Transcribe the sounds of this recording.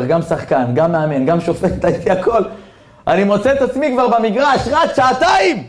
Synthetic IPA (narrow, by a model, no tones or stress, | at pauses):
ʁɡamsaχkanɡamːeame̞nɡamʃo̞fet̪t̪ajt̪iakʰo̞l | animo̞t͡seet̪at͡smikvaʁbamiɡʁaʃʁat̪ʃaːt̪aim